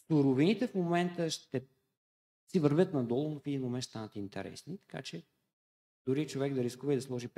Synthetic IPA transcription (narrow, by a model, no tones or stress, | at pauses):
suɾovinit̪ɛfmomɛnt̪əʃt̪ɛ | sivəɾvʲjɤt̪nɐd̪ɔlˠʊnʊfɛd̪inmomɛnʃst̪anət̪int̪ɛ̰ɾɛ̰snit̪ɐ̥ka̰t͡ʃɛ | d̪ʊɾit͡ʃovɛɡd̪ɐɾiskuvəid̪ɐslˠɔʒip